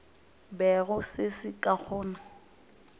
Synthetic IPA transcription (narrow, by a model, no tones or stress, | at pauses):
bɛɣʊsɪsɪkʼak͡xʰɔːna